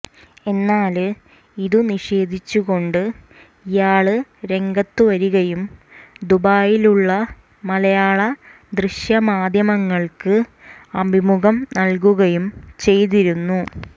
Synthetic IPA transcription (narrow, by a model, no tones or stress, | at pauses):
e̞nːaːl | iðuniʂe̞ːd̪ʱit͡ɕːuɣo̞ɳɖɨ | ijaːɭɨɾe̞ŋɡɐt̪ːɨʋɐɾuɣɐjumd̪ubaːjiluɭːɐ | mɐlɐjaːɭɐ | d̪rɨɕjɐmaːd̪ʱjɐmɐŋːɐɭkɨ | ɐbʱimuɣɐmnɐlk̬uɣɐjumt͡ɕe̞jt̪̬iɾunːu